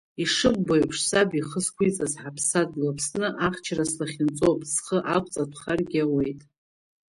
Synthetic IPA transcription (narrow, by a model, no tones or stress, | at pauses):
iʂɨbːojpʰʂsabiχəskʷʰijt͡sʼazħapʰsadlapʰsnɨʔaχt͡ʃʰaraslaχʲɪnt͡sʼopʼsχəʔakʷʼt͡sʼatʷʰχarɡʲawe̞jtʼ